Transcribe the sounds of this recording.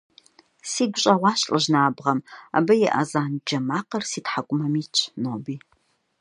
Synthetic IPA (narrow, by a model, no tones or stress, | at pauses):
siːɡʷʊɕʼɐʁʷɑːɕʼɨʒnaːbʁɐma̰bɐjɛ̰ʔɐzaːnd͡ʒɐmaːqɐrsiːtħakʷʼʊmɐmiːt͡ʃʼʰnoːbiː